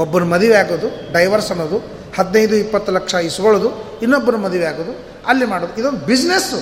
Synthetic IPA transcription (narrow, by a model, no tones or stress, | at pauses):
ɔbːɐɾumɐd̪iʋeaːɡoːd̪uɖɐjʋɐɾsɐnːoːd̪u | hɐd̪nɐjd̪uipːɐt̪ːulɐkʂɐisuɡɐɭoːd̪u | inːobːɐɾumɐd̪ɐʋejaːɡoːd̪u | ɐlːimaːɽoːd̪uid̪o̞nd̪ubid͡ʒnes